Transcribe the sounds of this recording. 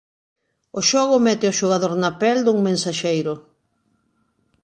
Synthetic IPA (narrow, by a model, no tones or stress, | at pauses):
ʊʃɔɣʊmɛt̪ɪoʃoɣ̞aðoɾnapɛld̪uŋmẽnsaʃejɾʊ